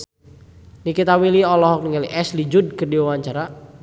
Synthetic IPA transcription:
nikit̪awiliɔlɔɦɔk̚niŋaliʔɛslid͡ʒud̚kərdiwawaɲt͡ʃaɾa

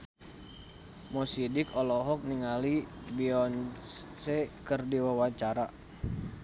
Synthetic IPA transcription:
mɔsidikɔlɔɦɔk̚niŋalibiɔnsɛkərdiwawaɲt͡ʃaɾa

